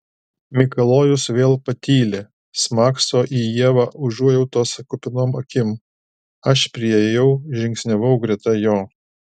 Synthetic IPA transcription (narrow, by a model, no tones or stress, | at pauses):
mʲɪkɐlˠoːjʊsʋʲeːlˠpɐt̪ʲiːlʲɪ | smɑːksoːʔiːjiɛʋɑːʔʊʒuɔjɛʊt̪oːsɐkʊpʲɪnoːmɐkʲɪm | ɐʃpʲɾʲɪɛjejɛʊʒʲɪŋʲksʲnʲɛʋɐʊɡɾʲɛt̪ɐjoː